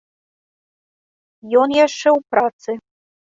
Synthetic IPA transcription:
jɔnjæʂɛwpɾɑt̪sɨ

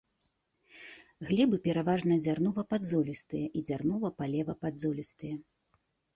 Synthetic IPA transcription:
ɣlʲɛbɨpʲɛɾavaʐnɐd͡zʲarnuvɐpad̪zɔlʲist̪ɨjɛʔid͡zʲarnuvɐpalʲɛvɐpad̪zɔlʲist̪ɨjɛ

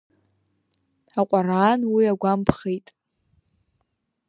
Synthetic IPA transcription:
aqʷʼaraːnwiaɡʷampʰχejtʼ

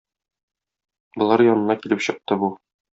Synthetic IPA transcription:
bŏlˠɑɾjɒnɤ̆nɑkilɘpɕɤ̆q̚t̪ɤbu

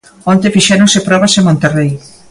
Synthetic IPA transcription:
ont̪efiʃɛɾõŋsepɾɔβasemõnt̪erej

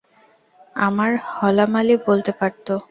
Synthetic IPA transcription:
amaɾhɔlamalibolt̪epaɾt̪o

